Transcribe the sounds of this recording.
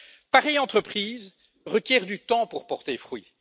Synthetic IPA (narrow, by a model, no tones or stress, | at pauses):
paʁɛjɑ̃t̪χəpχiːz | ʁəkʲjɛʁd̪yt̪ɑ̃puʁpɔʁt̪efχɥi